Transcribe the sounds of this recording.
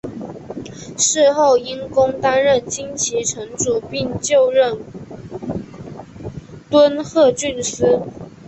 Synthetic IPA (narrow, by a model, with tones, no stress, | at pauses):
ʂɻ̩˥˧xo˥˩ʊi˥nkʊ˥ŋt̪a˥nɻə˥˩nt͡ɕi˥ŋt͡ɕʰi˧˥ʈ͡ʂʰə˧˥ŋʈ͡ʂu˨˩pi˥˧ŋt͡ɕjo˥˧ʊɻə˥˩n | t̪wə˥nxɤ˥˧t͡ɕy˥˩nsɹ̩˥